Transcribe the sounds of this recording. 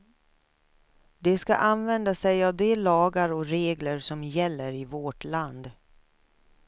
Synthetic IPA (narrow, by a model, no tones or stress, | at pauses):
d̪ɛska̰ʔanvɛnd̪asɛjavd̪ɛlɑːɡaɾɔɾeːɡləɾsɔmjɛlːəɾɪvɔʈland̪